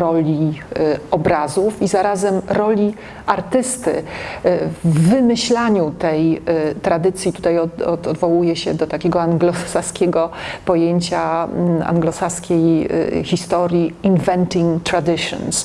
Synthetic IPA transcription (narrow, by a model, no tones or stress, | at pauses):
ɾɔlʲi | ɔbɾazufizaɾazɛmɾɔlʲi | aɾt̪ɘst̪ɘ̰ | vːɘmɘɕlaɲut̪ɛjt̪ɾad̪ɘt̪sʲjit̪ut̪ajɔɔɔd̪vɔwujɛɕɛd̪ɔt̪akʲeɡɔaŋɡlɔsaskʲɛɡɔpɔjeɲt͡ɕaa̰ŋɡlɔsaskʲej̰xʲist̪ɔɾjiinvɛnt̪iŋt̪ɾad̪ɘʂɔ̰ns